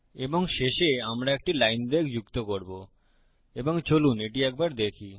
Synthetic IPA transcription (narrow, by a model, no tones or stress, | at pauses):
eboŋʃeʃeamɾaek̚ʈilajnb̪ekd͡ʑukt̪okoɾbo | eboŋt͡ɕoluneʈiɛk̚baɾd̪ekʰi